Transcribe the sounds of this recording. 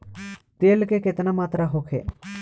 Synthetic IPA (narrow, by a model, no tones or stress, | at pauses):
t̪eːlkeket̪namaːt̪ɾaɦokʰḛː